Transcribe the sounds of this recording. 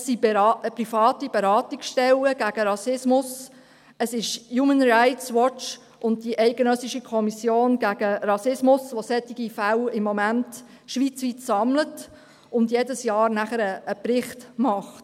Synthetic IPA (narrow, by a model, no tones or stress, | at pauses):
sibpɾifɑːtib̥ɛɾɑːtiksʃtɛləɡ̥æɡ̥əɾɑsɪsmʊs | əsɪʃjuːmənɾaɪtswɔt͡ʃ | ʔʊnt̚diʔɛɪɡənœsiʃikʰɔmisjoːnɡ̥æɡ̥əɾɑsɪsmʊsʋosɛtːiɡifæwɪmːɔmænt | ʃʋit͡sʋitsɑmlət | ʊndjedəsjɑːɾnæχəɾəːprɪχtmɑχt